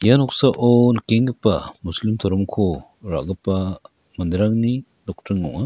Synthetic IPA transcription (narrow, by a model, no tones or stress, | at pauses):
janɔksaʔɔnkeŋɡɐpːɐ̰muslimt̪ʰɔɾɔmkʰɔ | ɾa̰ʔɡɐpːɐ | mɐnd̪ɾaŋni | dɔk̚tɐɾŋɔ̰ŋa